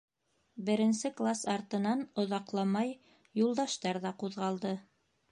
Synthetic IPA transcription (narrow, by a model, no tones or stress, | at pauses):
bɘ̆ɾɘ̆nsɘklˠasɑɾt̪ɤ̆nɑnŏðɑqlˠɑmɑj | julˠd̪ɑʃt̪ɑɾðɑquðʁɑlˠd̪ɤ